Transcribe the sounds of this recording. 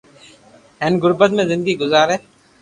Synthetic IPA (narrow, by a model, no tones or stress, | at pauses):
enɡʊɾbət̪̚mẽːzɪnd̪əɡiːɡʊzaːɾeː